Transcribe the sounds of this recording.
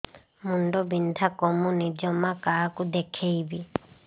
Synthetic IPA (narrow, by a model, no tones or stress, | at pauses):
muɳɖɔbind̪ʱakɔmunid͡ʒɔmakakud̪ekʰejbi